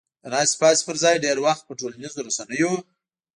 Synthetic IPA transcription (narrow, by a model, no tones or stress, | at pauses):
d̪ənɑspɑspəɾzɑjɖeɾwaxt̪̚pəʈolanizoɾasanəjo